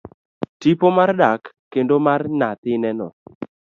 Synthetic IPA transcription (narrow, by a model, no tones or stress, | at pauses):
tipomardakːendomarnat̪ɪnɛnɔ̰